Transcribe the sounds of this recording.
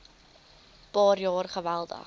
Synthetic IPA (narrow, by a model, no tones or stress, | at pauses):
pɑːɾjɑːrχəvælˠdə̰χ